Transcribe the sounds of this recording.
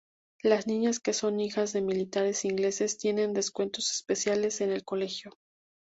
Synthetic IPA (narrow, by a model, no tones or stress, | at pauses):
laznĩɲaske̞so̞nixazðe̞milit̪aɾe̞siŋɡle̞se̞st̪je̞ne̞nd̪e̞skwe̞nt̪o̞se̞̥spe̞sjale̞se̞ne̞lko̞le̞xjo̞